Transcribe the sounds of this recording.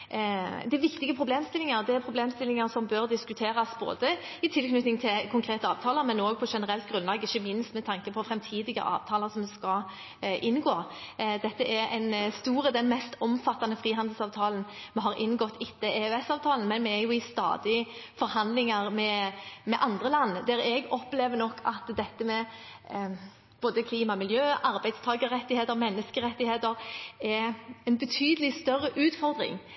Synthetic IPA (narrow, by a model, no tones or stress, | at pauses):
d̪ɛʋɪkt̪ɪɡəpʰɾʊbleːmst̪ɪlɪŋɑʁd̪ɛæɾpʰɾʊbleːmst̪ɪlɪŋəɾsɔmbøʁd̪ɪskʉt̪ʰeːɾɑsbo̰ːd̪əɪt̪ʰɪlknʉt̪nɪŋt̪ʰɪlkʰʊŋkʰɾeːt̪əɑːʋt̪ʰɑːləɾmɛnoːɡ̚pʰɔʂɛnəɾɛlt̪ɡʁʉnlɑːɡɪçəmɪnst̪mɛt̪ʰɑŋkəpʰɔfɾɛmt̪ʰiːd̪ɪɡə̰ʔɑ̰ːʋt̪ʰɑːləsɔmskɑ | ʔɪnːɡoː | d̪ɛt̪ːəɛɾɛ̰nst̪uːɾəd̪ɛnmɛst̪ɔmfɑt̪ːɑnəfʁiːɦɑnd̪l̩sɑːʋt̪ʰɑːlənmɛɦɑɾʔɪ̰nɡɔt̪ːɪt̪ːəeœɛsɑːʋt̪ʰɑːln̩mɛnmɛæɾjʊɪst̪ɑ̰ːd̪ɪfɔɾhɑnd̪lɪŋɑɾmɛmɛʔɑnd̪ʁəlɑnːd̪æɾɛɡɔpleːʋənɔkʰːɑt̪d̪ɛt̪ːəmɛ | b̥oːd̪əkʰliːmɑmɪljøːʔɑɾbæɪd̪st̪ʰɑːɡəɾɛt̪ːɪheːt̪əʁmɛnːəskəʁɛt̪ːɪheːt̪əɾɛɾɛnbət̪ʰyːd̪əlɪst̪œrːəʔʉːt̪fɔɾd̪ɾɪ̰ŋ